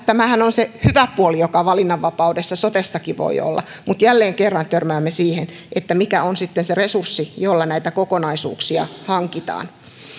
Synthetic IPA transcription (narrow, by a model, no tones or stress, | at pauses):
t̪æmæhænonsehyʋæpuolijokɑʋɑlinːɑʋːɑpɑudesːɑsot̪esːɑkiʋo̰ḭo̰lːɑ̰mut̪jælːeːŋkerːɑnt̪ørmæːmːesiːhen | ʔet̪ːæmikæonsit̪ːenseresursːijolːɑnæit̪ækokonɑisṵːksiɑ̰hɑŋkit̪ɑ̰ːn